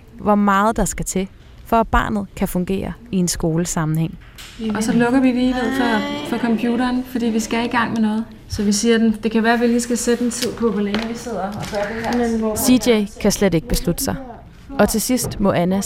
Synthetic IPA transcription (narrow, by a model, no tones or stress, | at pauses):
ʋɒmɑ̈ːð̞̩ˠd̥ɑ̈sɡ̥æt͡sʰe̝ | fɒ̽æb̥ɑ̰̈ːnð̩ˠkʰæfɔ̽ŋɡ̥e̝̰ːɐie̝nsɡ̥o̝ːləsɑ̈mn̩heŋ̰ | ɒ̽sɒ̽lɔ̽ɡ̥ɐʋiliːne̝ð̰ˠfɑfɒkʰɒ̽mpʰjuːɾɐːnfɒd̥ḭːʋisɡ̥æiɡ̥ɑ̈ŋ̰menɔ̽ːð̞̩ˠ | sɒ̽ʋisiːɐd̥end̥e̝kʰæʋæːɐʋe̝lʋisɡ̥æsed̥ent͡sʰið̰ˠpʰɒ̽ʋɒleŋəʋise̝ð̰ˠɐ | sid̥eɪkʰæsled̥e̝ɡ̥̚b̥e̝slud̥sɑ̈ɪ | ɒ̽t͡sʰe̝sisd̥mɔ̽ʔænæ